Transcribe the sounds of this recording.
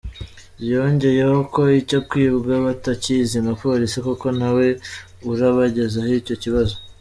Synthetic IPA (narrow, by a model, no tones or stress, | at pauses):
bjo̞ːɲɟe̞je̞ho̞ko̞ico̞b̚ɡwiːβuɡaβatacizimapo̞ːɾisikoko̞nawe̞ | uɾaβaɟe̞zahico̞ciβazo̞